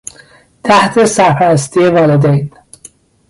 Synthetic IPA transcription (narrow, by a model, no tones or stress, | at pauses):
t̪ʰæht̪ʰe̞sæɾfæɾæst̪ʰije̞vɒːled̪ejd̪̥